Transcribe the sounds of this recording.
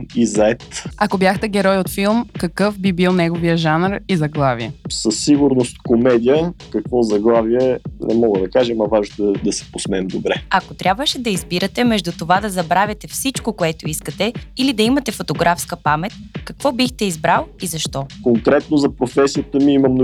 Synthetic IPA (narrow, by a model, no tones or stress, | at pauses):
izɐɛt̪ɐkobjaxt̪ɛɡɛɾɔjot̪filˠmkɐkɤfbibilˠnɛɡovijəʒanɾizɐɡlˠaviɛsəsːiɡʊɾnost̪komɛd̪ijəkɐkvɔzɐɡlˠaviɛnʔɛmɔɡəd̪ɐkaʒɛmɐvaʒnt̪d̪ɛd̪ɐsɛ̥posmɛɛmd̪obɾɛɐkot̪ɾʲabvəʃɛd̪ɐizbiɾɐt̪ɛmɛʒd̪ut̪ovad̪ɐzɐbɾavʲjɐt̪ɛfsit͡ʃkokoɛt̪oiskət̪ɛilid̪ɐimɐt̪ɛfot̪oɡɾafskəpamɛt̪̚kɐkvɔbixt̪ɛizbɾalˠizɐʃt̪ɔkoŋkɾɛt̪nozɐpɾofɛsijət̪əmiimɐmn